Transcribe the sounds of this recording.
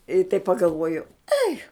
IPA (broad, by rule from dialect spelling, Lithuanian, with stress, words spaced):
ɪ tɐɪp pɐɡɐlˠˈʋuɔjʊ ˈɐɪ